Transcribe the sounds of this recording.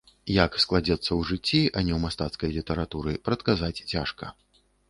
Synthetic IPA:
jaksklˠad͡zʲɛt̪sːɐwʐɨt͡sʲːiʔɐnʲɛwmast̪at̪skɐjlʲit̪ɐɾat̪uɾɨpɾɐt̪kazat͡sʲt͡sʲaʂkɐ̰

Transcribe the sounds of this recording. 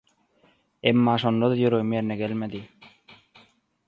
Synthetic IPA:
emːɑːʃond̪ɑd̪ɑjøɾoɣmijeɾneɡelmed̪i

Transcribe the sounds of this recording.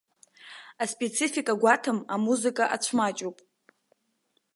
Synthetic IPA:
aspʼe̞t͡sʰifikʼaɡʷatʰɨmamuzɨkʼaʔat͡ɕʷʰmat͡ʃʼopʼ

